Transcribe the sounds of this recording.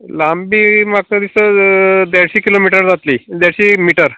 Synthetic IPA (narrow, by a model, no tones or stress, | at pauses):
lambiːmakəd̪isəd̪aɽɕiːkilomiʈəɾd͡zat̪liːd̪jaɽɕiːmiʈəɾ